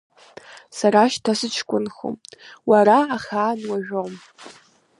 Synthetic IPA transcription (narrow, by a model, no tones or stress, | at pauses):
saɾaʃtʰasɨt͡ʃʰkʷʼʊnxo̰mwaɾaːχaːnwaʒᶣowm